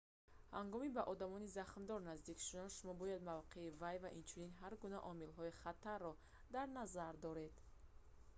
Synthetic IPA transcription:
ha̰ŋɡɔmibaʔɔd̪amɔnizaχmd̪ɔɾnazd̪ikʃud̪anʃumɔbɔjad̪mavqʰe̞ivajvaʔint͡ʃʰuninɦaɾɡunaʔɔmilɦɔiχat̪ʰarːɔ | d̪aɾnazaɾd̪ɔɾe̞d̪̥

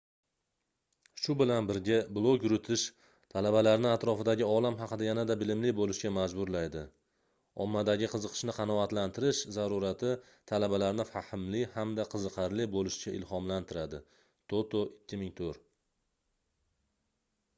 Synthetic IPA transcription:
ʃʊbɪlanbɪɾɡʲablˠokʲjʊɾʊt̪ʰɪʃ | t̪ʰalabalaɾnɪat̪ɾɒfɪd̪aɡʲɪɒlamɦɑqʰɨd̪ajanad̪abɪlɪmlɪbolɪʃɡʲamad͡ʒbʊɾlajd̪ɪ | ɒ̰mːad̪aɡʲɪqʰɨzɨqʰɨ̥ʃnɪqʰɑnɒat̪lant̪ʰɪɾɪʃzaɾuɾat̪ʰɪ | t̪ʰalabalaɾnɪfahɪmlɪhamd̪aqʰɨzɨqʰɑɾlɪbolɪʃkʰʲaɪ̰lhɒmlant̪ʰɪɾad̪ɪ | t̪ʰot̪ʰoʔɪkʲʰːɪmɪŋt̪ʰoɾ

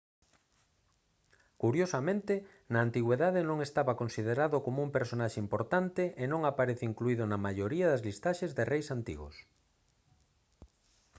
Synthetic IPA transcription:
kuɾjosamẽnt̪e | naːnt̪iɣweðaðenõŋest̪aβɐkonsið̞eɾaðʊkomoumpeɾsonaʃeimpoɾt̪ant̪eʔenõŋapaɾeθeiŋkluiðʊnɐmaʎoɾiaðɐzlist̪aʃezðerejsant̪ḭɣo̰s

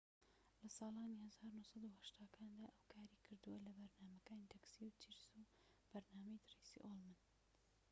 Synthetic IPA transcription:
lɐsɑːlɑːnihɐzaːɾunuhsɑd̪uhɐʃt̪ʰaːkʰaːnd̪aːʔɐwkʰaːɾikʰɨɾd̪uwɐlɐbɐɾnaːmɐkaːnit̪ʰɐksiuwt̪ʰiɾsu | b̥ɐɾnaːmɐjt̪resḭʔolman

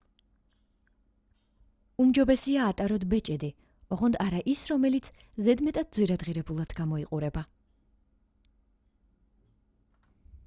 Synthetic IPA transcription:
umd͡ʒɔbɛsiaːt̪ʼaɾɔd̪bɛt͡ʃʼɛd̪i | ɔʁɔnd̪aɾaʔisɾɔmɛlit̪sʰ | zɛd̪mɛt̪ʼad̪̥̚d̪zwiɾad̪ʁiɾɛbulˠad̪̥ɡamɔiqʼuɾɛba

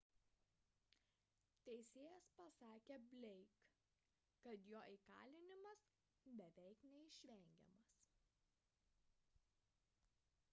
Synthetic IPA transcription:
t̪ʲɛɪsʲeːjɛspɐsɑːkʲebʲlʲɛɪkː | ɐt̪joːʔiɪkɑ̰ːlʲɪnʲɪmɐs | bʲɛʋʲɛɪknʲɛɪʃʲʋʲɛŋʲɡʲɛ̰mɐs

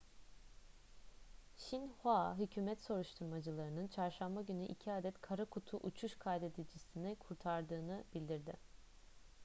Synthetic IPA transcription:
ʃinhaɦycʰyːmɛt̪so̞ɾuʃt̪ʰuɾmad͡ʒɯlˠaɾɯnɯnt͡ʃʰaɾʃammaɟynyʔicʰiaːd̪ɛt̪kʰaɾakʰut̪ʰuʔut͡ʃʰuʃkʰajd̪e̞d̪id͡ʒisinɪkʰuɾt̪ʰaɾd̪ɯːnɯb̥ilʲd̪iɾd̪ɪ̰

